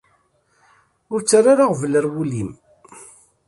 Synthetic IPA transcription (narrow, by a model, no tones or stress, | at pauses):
ʊɾt͡sːaɾaɾaʁvələɾwulim